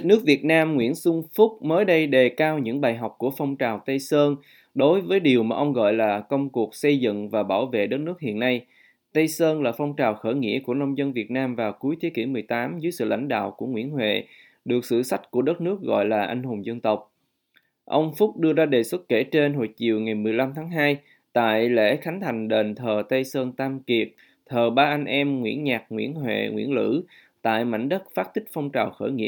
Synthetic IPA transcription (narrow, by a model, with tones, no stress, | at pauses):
nɨ˦˥ək̚vi˨˩ət̚naː˧mŋwḭ˧˥ənsʊ˧ŋ͡mfʊ˦˥k͡p̚məː˨˦jɗə˧jɗe˨˩kaː˧wɲɨ̰˧˥ŋɓaː˨˩jɦa˨˩wk͡p̚ku˧˩əfɔ˧wŋ͡mt͡ɕaː˨˩wt̪ə˧jsəː˧n | ɗo˨˦jvəː˨˦jɗi˨˩əwmaː˨˩ʔə˧wŋ͡mɣɔ̰˧˨jlaː˨˩kə˧wŋ͡mku˨˩ək̚sə˧jzɨ̰˧˨ŋvaː˨˩ɓaː˧˩wvḛ˧˨ɗə˦˥t̚nɨ˦˥ək̚hḭ˧˨ənːa˧j | t̪ə˧jsəː˧nlaː˨˩fɔ˧wŋ͡mt͡ɕaː˨˩wxəː˧˩ŋḭ˧˥əku˧˩ənə˧wŋ͡mzə˧nvi˨˩ət̚naː˧mvaː˨˩wku˨˦əjt̪ʰi˨˦ki˧˩mɨ˨˩əjt̪aː˨˦mzɨ˨˦jsɨ̰˧˨la̰˧˩jŋ̟ɗa̰ː˧˨wku˧˩əŋwḭ˧˥ənɦwḛ˧˨ | ɗɨ˨˩ək̚sɨ̰˧˨sa˦˥kt̚ku˧˩əɗə˦˥t̚nɨ˦˥ək̚ɣɔ̰˧˨jlaː˨˩ʔa˧jŋ̟ɦo˨˩ŋ͡mzə˧nt̪ə˨˩wk͡p̚ | ʔə˧wŋ͡mfʊ˦˥k͡p̚ɗɨ˧əzaː˧ɗe˨˩swə˦˥t̚ke˧˩t͡ɕe˧nɦo̰˧˨jt͡ɕi˨˩əwŋa˨˩jmɨ˨˩əjla˧mt̪ʰaː˨˦ŋɦaː˧j | t̪a̰ː˧˨jlḛ˧˥xa˨˦ŋt̪ʰa˨˩jŋ̟ɗe˨˩nt̪ʰəː˨˩t̪ə˧jsəː˧nt̪aː˧mki˨˩əp̚ | t̪ʰəː˨˩ɓaː˧ʔa˧ŋ̟ʔɛ˧mŋwḭ˧˥ənɲaː˨˩k̚ŋwḭ˧˥ənɦwḛ˧˨ŋwḭ˧˥ənlɨ̰˧˥ | t̪a̰ː˧˨jma̰˧˥jŋ̟ɗə˦˥t̚faː˦˥t̚t̪ʰï˦˥k̟̚fɔ˧wŋ͡mt͡ɕaː˨˩wxəː˧˩jŋḭ˧˥ə